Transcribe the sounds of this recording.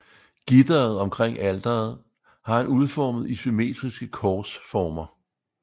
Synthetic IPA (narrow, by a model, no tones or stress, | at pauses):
ɡ̥id̥ɐð̩ˠɒ̽mkʰʁeŋ̰æld̥ɐð̩ˠ | hɑ̈hænuð̞ˠfɒːmð̞̩ˠisyme̝̰ːd̥ʁisɡ̥əkʰɒːsfɒːmɐ